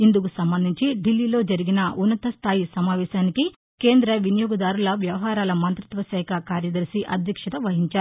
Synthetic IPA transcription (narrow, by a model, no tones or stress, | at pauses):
ind̪ukusɐmbɐnd̪ʱiɲt͡ʃiɖilːiːlo̞ːd͡ʒɐɾiɡinɐʔunːɐt̪ɐst̪ʰaːjisɐmaːʋɛːʃaːniki | ke̞ːnd̪ɾɐʋinijoːɡɐd̪aːɾulɐʋjɐʋɐɦaːɾaːlɐmɐnt̪ɾit̪ʋɐsɛːkʰɐkaːɾjɐd̪ɐɾsiʔɐ̰d̪ʱjɐkʂɐt̪ɐʋɐɦiɲt͡ʃaːɾu